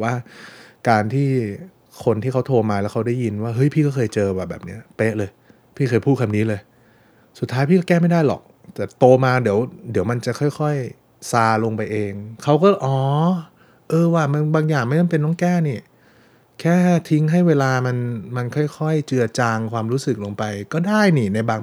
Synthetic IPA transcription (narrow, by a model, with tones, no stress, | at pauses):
waː˥˩kaː˧nt̪ʰiː˥˩ | kʰo˧nt̪ʰiː˥˩kʰa˦˥wt̪ʰoː˧maː˧lɛː˦˥wkʰwdaː˥˩ji˧nwaː˥˩ɦɤ˦˥jpʰiː˥˩kɔ˥˩xʰɤː˧jt͡ɕɤː˧baː˨˩bɛ̰ː˨˩p̚ni˦˥ɐpeː˦˥lɤː˧j | pʰiː˥˩ɤː˧jpʰuː˥˩kʰa˧mniː˦˥lɤː˧j | su˨˩t̪ʰːaː˦˥jpʰiː˥˩˥kɛː˥˩ma˥˩jda˥˩jlɔ̰˨˩k̚ | t̪ɛ˨˩t̪oː˧maː˧di˩˦əwdi˨˩˦əwma˧nt͡ɕa˨˩kʰɔ˥˩jkʰɔ˥˩j | saː˧lo˧ŋpa˧jʔeː˧ŋkʰa˦˥wkɔː˥˩ʔɔː˨˩˦ | ʔɤː˧waː˥˩ma˧nbaː˧ŋjaː˨˩ŋma˧˥˩ma˧˥npe˧nːɔː˦˥˦ŋkɛː˥˩ni˧˥˩ | kʰɛː˥˩t̪ʰi˦˥ŋɦa˥˩jweː˧laː˧ma˧nma˧nkʰɔ˥˩jkʰɔ˥˩jt͡ɕɯ˧ɐt͡ɕaː˧ŋkʰwaː˧mɾuː˦˥sɯ˨˩k̚lo˧ŋpa˧jkɔː˥˩daː˥˩jniː˨˩na˧jbaː˧ŋ